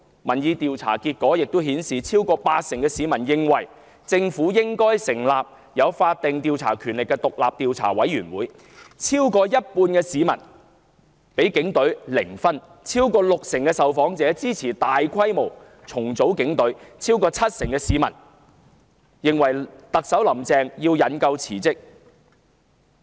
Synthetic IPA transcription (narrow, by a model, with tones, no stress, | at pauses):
mɐ˨˩njiː˨˧t̪iː˨wt͡sʰa̰ː˨˩kiː˧t̚kɔː˨˥jɪ˨k̚t̪o˥ɦiː˨˥nsiː˨t͡sʰiː˥wkɔː˧paː˧t̚sɪ˨˩ŋkɛː˧siː˨˧mɐ˨˩njɪ˧ŋwɐ˨˩j | t͡sɪ˧ŋfuː˨˥jɪ˥ŋkɔː˥jsɪ˨˩ŋlaː˨p̚ | jɐ˨˧wfaː˧t̚t̪ɪ˨ŋt̪iː˧wt͡sʰa̰ː˨˩kʰyː˨˩nlɪ˨kːɛ˧t̪ʊ˨k̚la̰ː˨p̚t̪iː˨˧wt͡sʰa̰ː˨˩wɐ̰˨˥jyː˨˩nwuː˨˥j | t͡sʰiː˥wkɔː˧jɐ˥t̚puː˧nkɛː˧siː˨˧mɐ̰˨˩n | pe˨˥jkɪ˨˥ŋt̪ɵ˨˥ɥlɪ˨˩ŋfɐ˥n | t͡sʰiː˥wkɔː˧lʊ˨k̚sɪ˨˩ŋkɛ˧sɐ˨wfɔː˨˥ŋt͡sɛː˨˥t͡siː˥t͡sʰiː˨˩t̪aː˨jkʰɐ˥jmo˨˩w | t͡sʰʊ˨˩ŋt͡so˨˥wkɪ˨˥ŋt̪ɵ˨˥ɥt͡sʰiː˥wkɔː˧t͡sʰɐ˥t̚sɪ˨˩ŋkɛ˧siː˨˧mɐ̰˨˩n | jɪ˨ŋwɐ˨˩jt̪ɐ˨k̚sɐ˨˥wlɐ˨˩mt͡sɛː˧ŋjiː˧wjɐ˨˥nkɐ˧wt͡sʰiː˨˩t͡sɪ˥k̚